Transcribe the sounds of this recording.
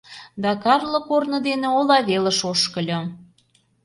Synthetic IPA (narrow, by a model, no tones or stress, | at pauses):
d̪ɑkɑrlɤ̆kornɤ̆d̪eneolɑβelə̆ʃoʃkə̆lʲŏ